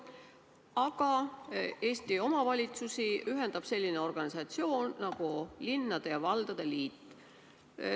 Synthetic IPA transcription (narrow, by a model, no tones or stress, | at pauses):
ɑɡ̥ɑ | e̞ːst̪io̞mɑvɑlʲit̪susiyɦe̞nd̪̥ɑb̥se̞lːineo̞rɡ̥ɑnisɑt̪sio̞ːnːɑɡ̥ulinːɑd̪̥ejɑvɑld̪̥ɑd̪̥eliːt̪ː